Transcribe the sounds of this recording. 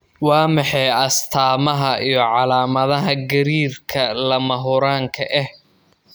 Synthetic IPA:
wɑːmɑħɑjɐst̪ʰaːmɐɦɐʔijɞʕɑlaːmɐðɐɦɐɡɐɾiːrkʰɐlɐmɐɦʊɾaːŋkʰɐʔɛh

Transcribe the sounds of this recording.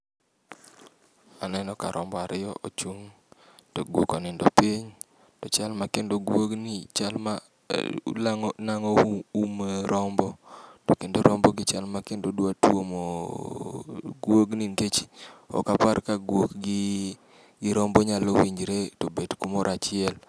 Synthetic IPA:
anɛnɔka̰ɾʔɔmbɔaɾɪjɔʔot͡ʃuŋ | toɡwokɔnɪndɔpiɲ | tɔt͡ʃalmakendoɡwoɡnit͡ʃalma̰ | laŋnaŋɔumɾʔɔmbɔtokendoɾɔmbɔɡɪt͡ʃalmakendodwatwomo | ɡwoɡniŋɡet͡ʃi̥ɔ̰kaparkaɡwokɡ | ɡɪɾɔmbɔɲalowiɲd͡ʒɾetobedkumoɾat͡ʃɪɛl

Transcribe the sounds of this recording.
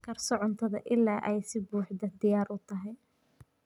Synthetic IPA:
kʰɐrsɔʕʊnt̪ʰɐðɐ̰ʔɪlːaːʔɛjsɪbuːħd̪ɐd̪ɪjaːɾʔʊt̪ʰɐɦɛj

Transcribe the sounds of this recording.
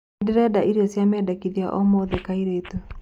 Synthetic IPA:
diɾɛdaʔiɾiɔsjamɛdakiðia̰ʔɔmɔðɛkaiɾetu

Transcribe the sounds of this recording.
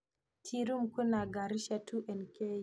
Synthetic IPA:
tʰiɾumkunaɡaɾiʃatʰuʔɛnke

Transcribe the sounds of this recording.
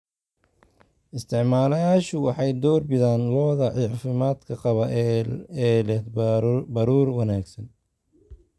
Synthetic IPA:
ʔɪst̪ʰɪʕmaːlɐjaːʃʊwɑħɑjd̪ɔːrbɪðaːnlɔːðɐʕɪʕfɪmaːd̪kʰɐqɑβɐ | ɛːlɛ | bɐɾuːrwɑnaːɡsɐn

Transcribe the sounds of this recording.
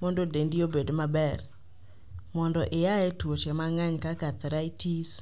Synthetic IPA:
mondodendiobedomabɛr | mɔndɔʔɪjaɛtwot͡ʃɛmaŋaɲkakat̪ɾaitis

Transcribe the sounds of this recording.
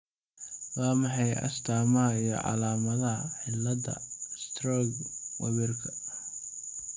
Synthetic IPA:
waːmɑħɑjɐ̰st̪ʰaːmɐɦɐijɞ̰ʕɑ̰laːmɐðɐɦɐħɪlːɐdɐ̰st̪ʰrɔːɡwɐ̰βɛrkʰɐ̥

